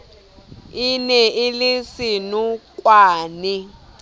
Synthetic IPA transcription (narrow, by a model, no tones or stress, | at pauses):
inɛʔilisinukʼwaːni